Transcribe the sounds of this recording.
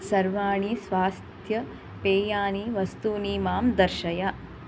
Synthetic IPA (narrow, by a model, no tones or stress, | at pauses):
sɐɾʋaːɳisʋaːst̪ʰjɐ | peːjaːniʋɐst̪uniːmaːmd̪ɐɾʃɐja